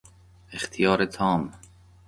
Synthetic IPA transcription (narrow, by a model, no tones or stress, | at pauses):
ext̪ʰijɒːɾet̪ʰɒːm